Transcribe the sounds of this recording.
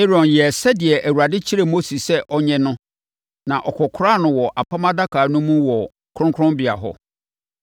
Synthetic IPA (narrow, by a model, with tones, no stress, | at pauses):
ɪ˦ɾɔ̃˨njɛ˨sɛ˦dɪ˨ɛ˨ʔæ˨wu˨ɾa˨dɪ˦t͡ɕʰi˦ɾe˨mo˦si˨ssɛ˦ʔɔ˦ɲɛ̃˦nʊ̃˦ | nã˨ʔɔ˨kʰɔ˨kʰʊ˦ɾa˦˨nʊ̃˨wɔ˨ʔa˨pʰã˦mã˦da˦kʰaː˨nʊ̃˦mũ˦wɔ˨ | kʰɾʊ̃˦ŋkʰɾʊ̃˦mbɪ˨a̰˨ɦɔ̰˦